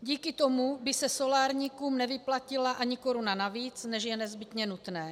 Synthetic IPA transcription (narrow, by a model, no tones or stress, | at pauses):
ɟiːkɪt̪omubɪsɛso̞laːɾɲiːkuːmnɛvɪplacɪlaʔaɲɪko̞ɾunanaviːt͡snɛʒjɛnɛzbɪt̪ɲɛnut̪nɛː